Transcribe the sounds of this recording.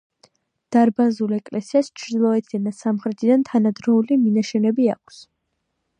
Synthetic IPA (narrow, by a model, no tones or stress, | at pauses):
d̪̥aɾbazulɛkʼlɛsiast͡ʃʰɾd̪ilˠɔɛt̪ʰid̪anasamχɾɛt̪ʰid̪ant̪ʰanad̪ɾɔuliminaʃɛnɛbia̰kʷʰs